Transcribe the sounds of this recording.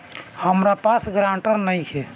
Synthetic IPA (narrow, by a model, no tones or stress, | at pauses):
həmɾapasɡɾãɳʈəɾnəjkʰe